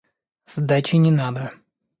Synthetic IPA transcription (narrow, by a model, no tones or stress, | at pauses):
z̥d̪at͡ɕɪnʲɪnad̪ə